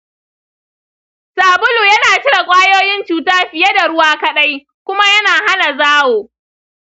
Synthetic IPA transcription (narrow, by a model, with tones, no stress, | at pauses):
saː˨bʊ˦luː˨jɐ˦naː˨t͡ʃɪ˦ɽa˨kʷʼaː˦joː˦jɪ˦nt͡ʃuː˨taː˦ɸɪ˨je˦da˨ɽʊ˦waː˦kɐ˦ɗa˦j | kʷʊ˦ma˦jɐ˦naː˨ɦa˦na˨zaː˦woː˨